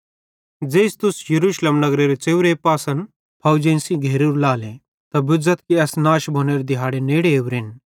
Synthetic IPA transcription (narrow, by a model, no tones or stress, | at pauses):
d͡zeːst̪ʊsjɐɾuːʃleːmnɐɡɾeɾet͡seːʋɾepaːsɐn | pʰɐwd͡ʒẽːnsĩɡʱeːɾuːɾlaːlẽ | t̪ɐbʊd͡zɐt̪kiɛsnaːʃbʱoːneːɾed̪ɪɦaːɽeneːɽeːʋɾɪn